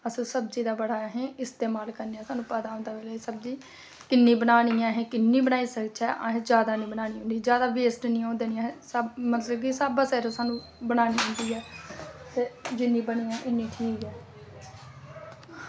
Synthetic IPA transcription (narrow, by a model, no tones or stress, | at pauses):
əssəbd͡ʒiːd̪aːbəɽaːɦẽːɪst̪eːmaːlkəɾneãːsaːnũːpɛt̪aːõːnd̪aːʋelesəbziː | kɪnːiːbənaːɽiːãːɦẽːkɪnːiːbənaːiːsəkt͡ʃʰɛːʔã̰ːɦẽd͡ʒjaːd̪aːnĩːbənaːñiːɦõːnd̪iːd͡ʒjaːd̪aːʋeːsʈnĩːãːnd̪eːniãɦsamət̪ləbkisaːbaːsɛːɾoːsaːnũː | bənaːñiːɦõːnd̪iːɦɛːt̪eːd͡ʒɪnːiːbəñiːɛ̃ːʔɪnːĩːʈʰiːkɛː